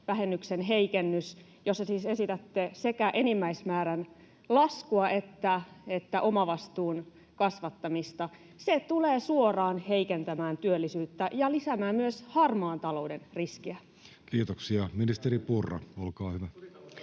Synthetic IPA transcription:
ʋæɦenːyksenɦeikenːys | josːɑsiːsesit̪æt̪ːesekæʔenimːæismæːɾæn | lɑskuɑʔet̪ːæet̪ːæʔomɑʋɑst̪uːn | kɑsʋɑt̪ːɑmist̪ɑ | set̪uleːsuorɑːnheikent̪æmæːnt̪yølːisyːt̪ːæjɑlisæmæːmmyøshɑrmɑːnt̪ɑlo̞udenriskiæ | kiːt̪oksiɑminist̪eripurːɑ̰olkɑːhyʋæ

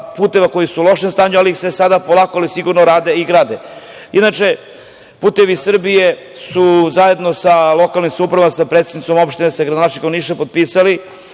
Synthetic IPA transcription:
puːt̪e̞ʋako̞jisulˠo̞ʃemst̪aːɲualiixse̞sad̪apolˠakoalisiɡuɾnoɾaːd̪e̞iɡɾaːd̪e | id̪nat͡ʃe̞ | puːt̪e̞ʋisr̩bije̞ | suzaje̞d̪no̞salo̞kalnimsamupɾaʋamasapɾet̪sed̪nit̪so̞mopʃt̪inesaɡɾad̪onat͡ʃeɡanniːʃt̪apo̞d̪̚piːsali

